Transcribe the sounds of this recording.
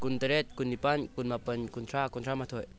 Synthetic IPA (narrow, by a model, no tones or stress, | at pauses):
kuntɐɾet̚kunːipankunmapənkunt̪ʰɾakuntʰɾamatʰoj